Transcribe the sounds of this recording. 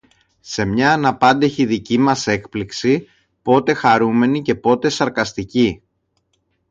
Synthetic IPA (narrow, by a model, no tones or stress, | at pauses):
se̞mɲɐːnɐpɐnd̪eçiðicimɐse̞kpliksi | po̞t̪e̞xɐɾume̞nice̞po̞t̪e̞sɐɾkɐst̪ici